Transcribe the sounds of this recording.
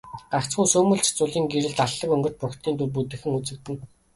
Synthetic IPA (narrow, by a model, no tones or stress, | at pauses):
ɢakt͡sɢuːsɵːmɵ̆ɬt͡ɕt͡sʊɮiːŋɡeɾɘ̆ɮt̪aɮːə̆kɵŋɡɵ̆rt͡ɕ̪̚pʊkt̪ʰiːnt̪urp̬ut̪ɘ̆xɘ̆ŋut͡sɘ̆k̚t̪ɘ̆n